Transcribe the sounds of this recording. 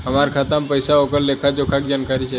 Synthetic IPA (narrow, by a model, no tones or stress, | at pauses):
əmaɾkʰat̪ampəjsaokəllekʰat͡ʃokʰak̚d͡ʒankaɾit͡ʃʰe